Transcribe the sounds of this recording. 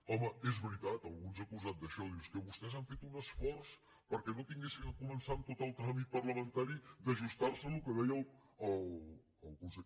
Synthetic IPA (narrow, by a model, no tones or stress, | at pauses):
ɔməezβɾit̪at̪əlˠɣunzəkuzat̪̚d̪əʃɔðiwskəβust̪ɛzaɱfet̪unəsfɔrs | pəɾkɛnot̪iŋɡesinəkumənsant̪ot̪əlˠt̪ɾamit̪̚pərləmənt̪aɾid̪əʒust̪arsənlukəðɛjəlˠəl | əlˠkunse